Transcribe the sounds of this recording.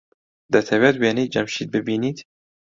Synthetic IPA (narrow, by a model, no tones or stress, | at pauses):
d̪ɐt̪ʰɛwɛt̪weːniːt̪̚d͡ʒɐmʃiːt̪̚bɨbiːniːt̪